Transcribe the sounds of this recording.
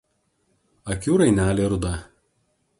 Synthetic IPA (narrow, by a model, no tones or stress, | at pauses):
ɐkʲuːɾɐɪnʲæːlʲeːɾʊd̪ɐ